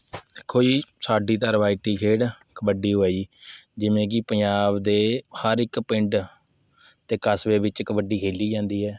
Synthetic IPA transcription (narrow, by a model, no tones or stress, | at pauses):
ɪkʰːoːiːsaːɖiːt̪əɾʋaːiʈiːkʰeːɽ | kəbəɖiːɦoaːiːd͡ʒɪʋẽːk̬ɪpəɲd͡ʒaːbd̪eːhəɾɪkpɪɳɖ | t̪eːkəsʋeːbɪt͡ʃkbəɖiːkʰeːliːd͡ʒãːnd̪iːɦɛː